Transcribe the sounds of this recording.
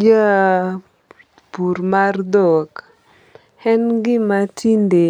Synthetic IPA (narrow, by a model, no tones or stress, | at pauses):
d͡ʒa | puɾmard̪ɔk | hɛnɡɪmatʰinde